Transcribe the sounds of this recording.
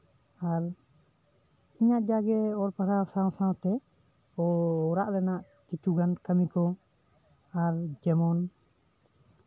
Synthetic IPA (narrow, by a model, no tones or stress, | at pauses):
aɾ | iɲaʔd͡ʒaɡɛɔɾpakasãwsãwt̪ɛ | ɔːɾaʔlɛnaʔ | kit͡ʃuɡankəmikɔ | aɾd͡ʒɛmɔn